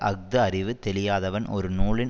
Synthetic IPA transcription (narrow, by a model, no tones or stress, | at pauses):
ʔɐɡ̚d̪ɐɐrɪʋɯt̪ɛlɪjaːðɐʋɐnɔ̰ɾɯnuːɭɪn